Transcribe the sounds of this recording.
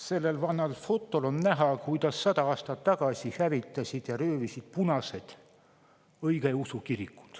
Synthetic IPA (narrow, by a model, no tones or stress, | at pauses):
se̞lːe̞lvɑnɑlfo̞t̪ːˑolo̞nnæɦɑkujd̪̥ɑsːɑd̪̥ɑɑːst̪ɑt̪ːɑɡ̥ɑsʲihævit̪ːˑɑsʲid̪̥jɑɾøːvisid̪̥̚punɑse̞d̪̥ | ɤjɡejusukiɾikːˑu̥d̪̥